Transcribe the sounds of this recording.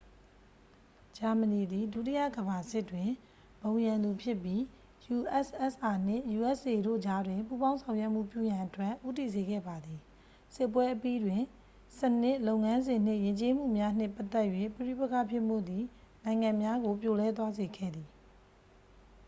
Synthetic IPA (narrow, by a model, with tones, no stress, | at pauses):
d͡ʑa˨mə˨ni˨d̪i˨dṵ˦˨tḭ˦jä̰˦˨ɡəba˨sɪ˦tːwɪ̃˨ | bõ˨ʊ̃jã˨nd̪u˨pʰjɪ˦pːji˦ | ju˨ʔɛ˦˨sʔɛ˦˨sʔa˨n̥ɪ̰̃˦˨ju˨ʔɛ˦sʔe˨ɾo̰˦˨d͡ʑa˦dwɪ̃˨mpu˦bã˦ʊ̃sʰã˨ʊ̃jwɛ˦ʔm̥ṵ˦˨pjṵ˦˨jã˨ʔətwɛ˦˨ʔʔu˦t̬i˦˨ze˨ɡɛ̰˦˨ba˨d̪ði˨ | sɪ˦pːwɛ˦ʔəpi˦dwɪ̃˨ | sənɪ˦ʔlo˦ʊŋã˦nzɪ̃˨n̥ɪ̰̃˦˨jɪ̃˨ɲt͡ɕe˦m̥ṵ˦˨mja˦n̥ɪ̰̃˦˨pa˦t̪ːɛ˦ʔjwḛ˦˨pəɹḭ˦˨pə˦kʰa̰˦˨pʰjɪ˦ʔm̥o̰˦˨d̪i˨ | nã˨ɪ̃ŋã˨mja˦ɡo˨pjo˨lɛ˦t̪wa˦ze˨ɡɛ̰˦˨d̪i˨